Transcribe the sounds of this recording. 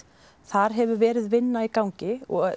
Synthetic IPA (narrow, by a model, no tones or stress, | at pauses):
θaɾ̥ɦɛvʏɾvɛːɾɪðvɪnːaikawɲcɪɔɣ